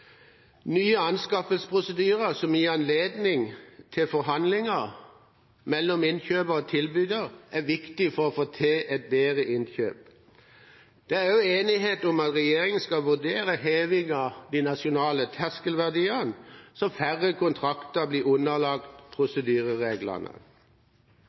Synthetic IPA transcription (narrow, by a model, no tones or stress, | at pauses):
nyːəɑnskɑfəlspʰʁʊsəd̪yːʁəsɔmɪɑnleːd̪nɪŋt̪ʰɪlfɔʁɦɑnd̪lɪŋəʁ | mɛlːɔmɪnçøːbəʁɔt̪ʰɪlbyːd̪əʁʔæʋɪkt̪ɪfɔʁɔfoːt̪ʰeːʔɛt̪̚beːʁəʔɪnçø̰ːp̚ | d̪̥ɛæʁjʊeːnɪɦeːt̪ɔmɑt̪ʁɛjeːʁɪŋənskɑʋʉd̪eːɾəɦeːʋɪŋɑd̪inɑsʊnɑːlət̪ʰæskəlʋæʁd̪iːənsɔfæʁəkʰʊnt̪ʰʁɑkt̪əbliːʊnːəlɑk̚t̪pʰʁʊsəd̪yːʁəʁeːɡlə̰nə̰